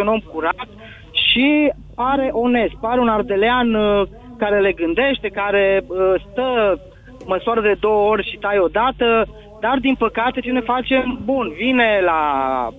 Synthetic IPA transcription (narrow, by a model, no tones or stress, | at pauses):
uno̞mkuɾat̪ | ʃi | paɾe̞ʔo̞ne̞st̪̚paɾe̞unard̪e̞lean | kaɾe̞le̞ɡɨnd̪e̞ʃt̪e̞kaɾe̞əst̪ə | məsuaɾəd̪e̞d̪o̞wəo̞rʲʃit̪ajo̞d̪at̪ə | d̪ard̪inpəkat̪e̞t͡ʃenefat͡ʃe̞mbunvine̞la